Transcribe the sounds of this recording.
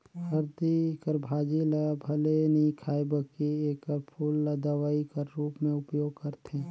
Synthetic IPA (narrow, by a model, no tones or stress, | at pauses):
hɐɾd̪ikəɾbʱaːd͡ʒilabʱɐleniikʰaːibəkieːkəɾpʰulːd̪əʋaikəɾːuːpmẽʊpjoːɡ̚kəɾt̪ẽː